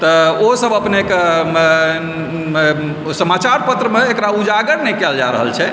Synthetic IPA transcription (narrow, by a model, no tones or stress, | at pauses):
t̪ɔosəbʱəpneke | səmat͡ʃaɾpət̪ɾəmeːkɾaud͡ʒaɡəɽnekɛld͡ʒa̰ɾə̰ɦə̰lt͡ʃʰɛ